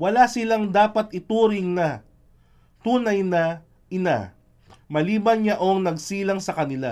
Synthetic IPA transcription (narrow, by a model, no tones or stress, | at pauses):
wɐlasɪlaŋd̪aːpɐt̪ɪt̪uːɾɪŋnɐ | t̪uːnɐjnɐ | ɪna̰ | mɐliːbɐnɲaʔoŋnɐɡsiːlɐŋsɐkɐnɪla